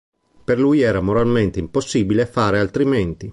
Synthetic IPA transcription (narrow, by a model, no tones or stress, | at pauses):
perlujɛːɾamoɾalment̪eimposːibilefaːɾealt̪ɾiment̪i